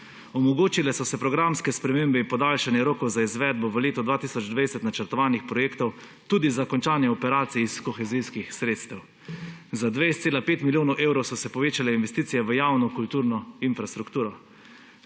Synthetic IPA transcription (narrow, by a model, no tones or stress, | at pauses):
ɔmɔɡoːt͡ʃilɛsɔsɛpɾɔɡɾamskɛspɾɛmeːmbɛimpɔd̪aːlʃanjɛɾoːkɔwzaizʋɛːd̪̚bɔʋəleːt̪ɔd̪ʋaːt̪iːsɔd͡ʒd̪ʋajsɛt̪nat͡ʃəɾt̪ɔʋaːnixpɾɔjeːkt̪ɔw | t̪uːd̪izakɔnt͡ʃaːnjɛɔpɛɾaːt̪siiskɔxɛziskixsɾeːt̪st̪ɛw | zad̪ʋejst̪seːlapeːt̪miljoːnɔwʔeːwɾɔwsɔsɛpɔʋeːt͡ʃalɛinʋɛst̪iːt̪ijɛʋəjaːwnɔkult̪uːɾnɔinfɾast̪ɾukt̪uːɾɔ